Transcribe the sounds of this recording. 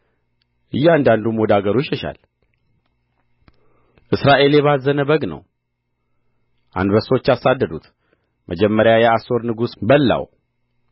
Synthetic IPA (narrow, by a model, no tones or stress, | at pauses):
ʔɨjːand̪and̪umo̞d̪aɡəɾuʃɛʃa̰l | ʔɨsɾaʔe̞ljɛβazːənəbəɡnə̰w | ʔa̰nd̪bəso̞t͡ʃːasad̪ːəd̪ut̪ | mʔəd͡ʒɛmːəɾjajɛaso̞ɾnɨɡusbəlːa̰w